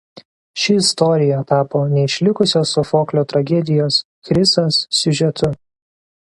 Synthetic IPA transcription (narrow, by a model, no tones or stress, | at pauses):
ʃʲɪɪst̪ɔːɾʲɪjɛt̪ɑːpoːnʲɛɪʃʲlʲɪkʊsʲoːsʊfoːklʲoːt̪ɾɐɡʲɛd̪ʲɪjoːs | kɾʲɪsɐsːʲʊʒʲɛt̪ʊ